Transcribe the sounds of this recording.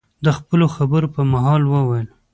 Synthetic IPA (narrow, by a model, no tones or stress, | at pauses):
d̪əxpəloxabəɾopəmaɦɑlwəwajəl